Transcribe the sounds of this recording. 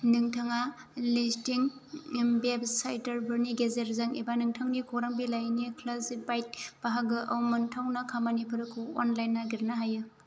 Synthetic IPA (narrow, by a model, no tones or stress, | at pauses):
nɯŋtʰaŋa | listiŋ | bebsajtɐɾbɯɾniɡezeɾzaŋibanɯŋtʰaŋnikʰoɾaŋbilajnikʰlazibajt̚b̥aɦaɡɯʔɐwmɯntʰawnakʰamanipʰɯɾɯkʰuonlajnːaɡiɾnaɦajɯ